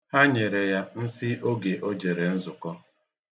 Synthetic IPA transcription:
ha˦ɲe˨ɾe˨ja˦n̩˦sɪ˦ʔo˦ɡe˨ʔo˦d͡ʒe˨ɾe˨n̩˦zʊ˨kɔ˦

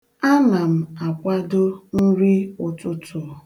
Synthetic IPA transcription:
a˦na˨m̩˨a˨kʷa˦dʊ˦n̩˦ɾi˦ʊ˨tʊ˦tʊ˨

